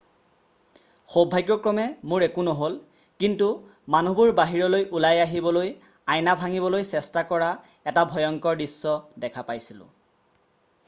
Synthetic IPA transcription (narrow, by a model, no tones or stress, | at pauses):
xobʱajɡjɔkɹɔmɛmʊɹɛkunɔɦol | kintu | manubuɹbaɦiɹɔlojʔulajaɦibɔloj | ajnabʱaŋibɔlojsɛstakɔɹaɛtabʱɔjɔŋkɔɹdisːɔdɛkʰapajsilʊ̰̃